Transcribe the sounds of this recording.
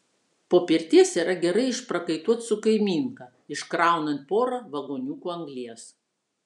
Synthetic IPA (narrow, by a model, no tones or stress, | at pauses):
poːpʲɪɾʲt̪ʲiɛsiːɾɐɡʲɛɾɐɪɪʃpɾɐkɐɪt̪uɔt̪sʊkɐɪmʲiːŋkɐ | ɪʃkɾɑˑʊnɐnt̪̚poːɾɐʋɐɡoːnʲuːkuːɐŋɡlʲiɛs